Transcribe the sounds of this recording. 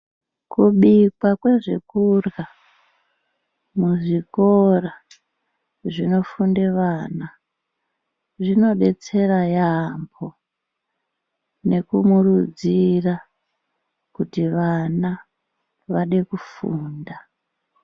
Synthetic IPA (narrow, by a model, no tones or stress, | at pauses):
kuɓikwakwe̞ʐekurɣa | muʐikora | ʐino̞fundeʋana | ʐino̞ɗe̞t͡se̞rajambo | ne̞kumurud͡zira | kutiʋana | ʋaɗe̞kufuːnda